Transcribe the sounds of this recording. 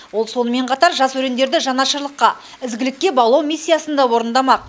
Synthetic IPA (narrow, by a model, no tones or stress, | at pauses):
wo̞lˠso̞nəme̞ɴqʰɑt̪ɑɾʒɑswɵɾe̞nd̪e̞ɾd̪ɪʒɑnɑʃəɾlˠəqːɑ | ɪzɡʲɪlɪkʲːe̞bɑlˠɑwmʲisʲːijasənd̪ɑwo̞ɾənd̪ɑmɑq̚